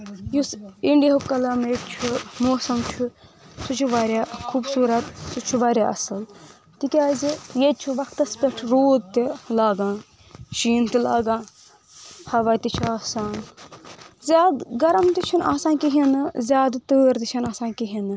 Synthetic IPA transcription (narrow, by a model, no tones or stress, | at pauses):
jusiɳɖiɦupkɐlaːmet͡ʃʰumoːsɐmt͡ʃʰu | sut͡ʃʰuʋaːɾjaːkʰubsuːɾɐt̪sut͡ʃʰuʋaːɾʲjaːʔɐ̰sɨl | t̪ikʲaːzijet͡ʃʰuʋɐkt̪ɐspʲeʈʰɾoːd̪t̪ilaːɡãː | ʃiːnt̪ilaːɡãː | hɐʋaːt̪it͡ʃʰuaːsaːn | zʲaːd̪ɡɐɾɐmt̪it͡ʃʰɐna̰ːsaːnkiɦinɨzʲjaːd̪t̪əːɾt̪it͡ʃʰɐnaːsaːnkiɦinɨ